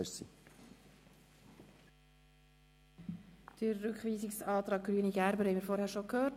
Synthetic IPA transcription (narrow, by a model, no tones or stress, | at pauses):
əsḭ | d̥əːʏkχviːsɪksɑːtɾɑːɡ̚ɡ̥ɾyːniɡæɾbəɾhɛɪmiːɾfɔːɾhæːɾʃokhøːt